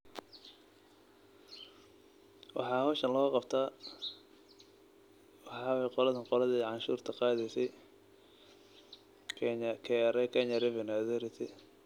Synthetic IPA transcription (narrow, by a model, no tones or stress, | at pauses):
wʔɑ̰ħɑːhɔːʃɐnlɔːɣqɑbt̪ʰaː | wɑħɑːwɛjqɔlɐðɐnqɔlɐðɛːʕɑnʃṵːrt̪ʰɐqɑːðɛjsɛj | kʰɛɲkʰɛɾɛkʰɛɲɐɾɛvɛnaðɛɾɪt̪ʰɛ